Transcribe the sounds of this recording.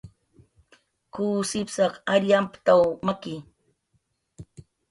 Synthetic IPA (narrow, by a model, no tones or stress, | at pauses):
kuːsɪpsɑχaɾjampt̪awmakɪ